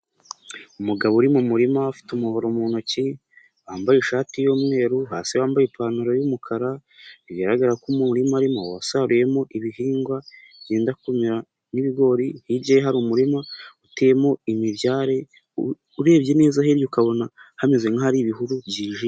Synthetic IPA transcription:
umuɡaβoɾimumuɾimafi̥tumuho̞ɾomuːn̥aci | βaːmbajiʃaːtijoːmŋe̞ːɾuɦaːsiβaːmbajepʰaːnuɾojumukʰaɾaβiɡaɾaɡaɾakumuɾimaɾimo̞̰wa̰saɾuje̞mo̞ʔiβiɦiːŋɡwa | βjeːndakumiɾa | niβiɡo̞ɾihibɟejeɦaɾumuɾimautejemo̞imiβjaːɾe̞ | uɾe̞ːbɟe̞ne̞ːzaɦeɾjukaβo̞nahamezweŋahaɾiβiɦuɾubjiːʒi

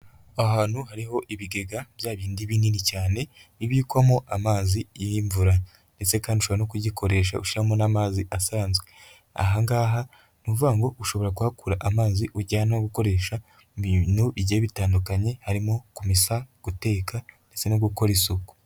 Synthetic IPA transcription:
ahaːnhuhaɾiho̞ʔiβiɡe̞ɡaβjaːβiːndiβiːninicaːne̞iβjiːkwamoʔamaːzijiɱvuɾa | nde̞t͡se̞kaːndiuʃoβoanokuɟikʰo̞ɾe̞ːʃ̬a̰uʃiɾamonaːmaːziʔasaːnzɡe | a̰ɦaŋɡaːɦa | nuvuɡaŋɡo̞uʃo̞βo̞ɾakuhakuːɾaʔamaːziʔuɟaːnaoɡuko̞ɾe̞ʃa | βinuiɟeβitaːndukaɲe̞haɾimo̞kumisaɡ̥ute̞ːkandet͡se̞noɡuko̞ɾesuko̥

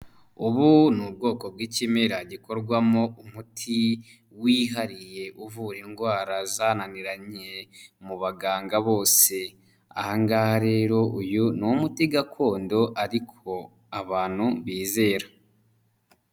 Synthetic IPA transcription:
uβunub̚ɡo̞ːko̞bɡiːcimeɾaɟiko̞ɾɡwamo̞umutʰi | wiɦaɾije̞ʔuvuɾiŋɡwaːɾazananiɾaɲe̞muβaɡaːŋɡaβo̞ːse̞ | a̰haŋɡahaɾe̞ːɾo̞ʔujunumutiɡakʰo̞ːndo̞ʔaɾikʰo̞ | aβaːn̥huβiːze̞ːɾa

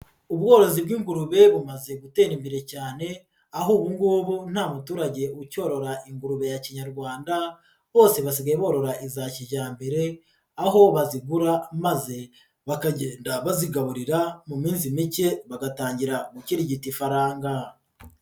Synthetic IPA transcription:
uβɡo̞ːɾo̞zibɡiːŋɡuɾuβe̞βumaze̞ɡute̞ːɾimbiɾe̞caːne̞ | aɦuːβuŋɡuːβun̥haːmutuːɾaɟe̞uco̞ːɾo̞ɾaʔiŋɡuɾuβe̞jaciɲaɾɡwaːnda | βo̞ːse̞βas̬iɡajeβo̞ɾo̞ɾaʔizaciɟaːmbe̞ɾe̞ | aɦo̞βaziɡuɾamaze̞ | βakaɟeːndaβaziɡaβuɾiɾamumiːnzimice̞βaɡataːɲɟiɾamuciɾiɟitifaɾaːŋɡa

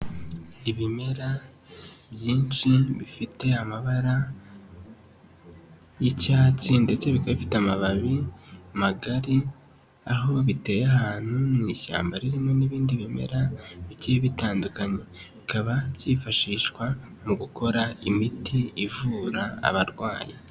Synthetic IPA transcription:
iβime̞ɾa | βjiːnʃiβifite̞amaβaɾa | jicaːt͡sindet͡se̞βikaβifi̥tamaβaβiamaɡaɾi | aɦo̞βite̞jahaːn̥humiːʃa̰ːmbaɾiɾimo̞niβiːndiβime̞̰ɾaβit͡ʃiiβitaːndukaɲe̞βikaβaβɟiːfaʃiːʃkwa | muɡukʰo̞ɾaimitʰiːvuɾa̰ːβaɾɡwaːji

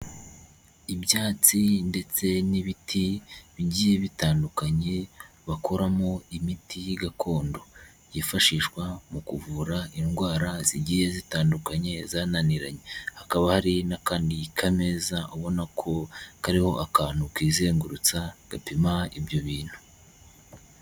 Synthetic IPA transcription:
ibjaːt͡sinde̞t͡se̞niβitʰiβiɟiːje̞βitaːndukaɲe̞ | βakʰo̞ɾamo̞imitʰijiɡakʰo̞ːndo̞ | jifaʃiːʃkwamukuvuːɾaʔinɡwaːɾaziɟiːje̞zitaːndukaɲe̞zaːnaniɾa̰ɲe̞hakaβahaɾinakaːndikʰamezaoβo̞nakʰo̞kaɾiho̞ʔakaːnukwiːze̞ːŋɡuɾut͡saɡ̥apimaibjo̞βiːn̥hu̥

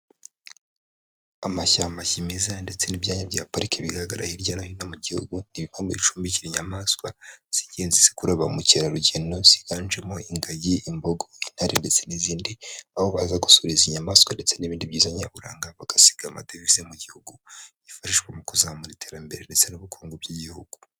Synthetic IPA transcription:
amaçamaçimizande̞t͡se̞nibjaːɲabɟaːpaɾikeβiɡaɾaɡaɾa̰hiɾɟanahinamuɟihṵɡuniβiβaːmboβiʃu̥ːmbiciɾiɲamaskwaz̥iɟenzizi̥kuɾaβamuceɾaɾuɟeno̞z̥iɡand͡ʒemoiŋɡajiːmboɡo̞inhaɾinde̞t͡se̞niziːndiaβoβazaɡu̥suɾiziɲamaːskwande̞t͡se̞niβiːndibɟiːzaɲa̰βuɾa̰ːŋɡaβaɡ̥asi̥ɡ̥ama̰devizemuɟihuɡu | ifaʃiʃɡwemukuzaamuɾitʰe̞ːɾambe̞ɾende̞t͡se̞nuβukʰuːŋɡob̚jiɟihuɡ̥u̥

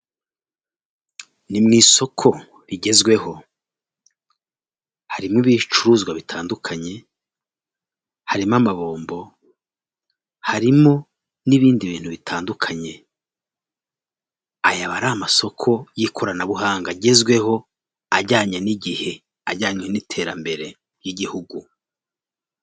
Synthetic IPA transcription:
nimŋiːso̞kʰo̞ | ɾiɟe̞zɡwe̞ɦo̞ | haɾimiβit͡ʃuɾuzɡwaβitʰaːndukʰaɲe̞ | haɾimamaβo̞ːmbo̞ | haɾimo̞ | niβiːndiβiːn̥huβitʰaːndukʰaɲe̞ | ajaβaɾamaso̞kʰo̞jikʰoɾanaβuɦaːŋɡaɟe̞zɡwe̞ho̞ | aɾɟaːɲaniɟihe̞ | aɾɟaːɲenitʰe̞ːɾa̰mbe̞ɾe̞ | jiɟihuɡu

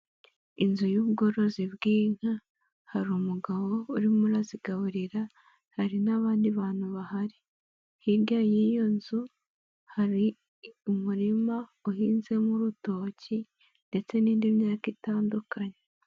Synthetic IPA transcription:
inzujuːβɡo̞ːɾo̞zibɡiːŋ̥ha | haɾumuɡaβo̞uɾimuɾaziɡaβuɾiɾa | haɾinaβaːndiβaːn̥huβahaɾi | hiɾɡajijo̞nzu | haɾi | umuɾimauhiːnze̞muɾuto̞ci | nde̞t͡se̞niːndimɲaːkitaːndukaɲe

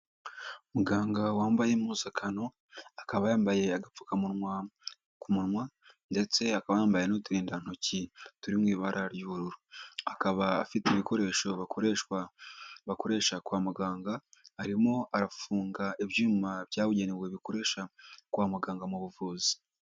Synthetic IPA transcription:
umuɡaːŋɡawaːmbajemuzakʰano̞ | akaβajaːmbaje̞aɡap͡fu̥kamu | kumunmwa | nde̞t͡se̞akaβajaːmbaje̞notuɾiːndan̥ocituɾimŋiːβaɾʔaɾjuːβuɾuɾoakaβa̰ːfiteβiko̞ɾe̞ʃo̞βaɾeʃwaβako̞ɾe̞ʃakwaːmuɡaːŋɡaːɾimoaɾafuːŋɡaʔiβjuːmaβjaːβuɟe̞newe̞βikoɾe̞ːʃakwaːmuɡaːŋɡamuβuvuːzi̥

